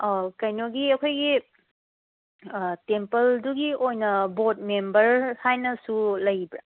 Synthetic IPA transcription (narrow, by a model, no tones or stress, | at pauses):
kɐjnoɡiɐkʰojɡi | tempɐlduɡiojnɐbot̚membɐɾhajnɐsulɐjbɾa